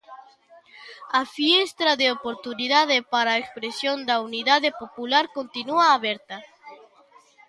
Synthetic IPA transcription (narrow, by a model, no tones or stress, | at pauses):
afjest̪ɾaðeopoɾt̪uniðaðepaɾaekspɾesjond̪auniðaðepopulaɾkont̪inuaːβeɾt̪a